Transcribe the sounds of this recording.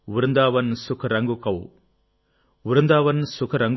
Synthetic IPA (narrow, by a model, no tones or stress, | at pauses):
ʊɾɯnd̪aːʋɐnsʊkʰɐɾɐŋɡukɐw | ʊɾɯnd̪aːʋɐnsʊkʰɐɾɐŋɡ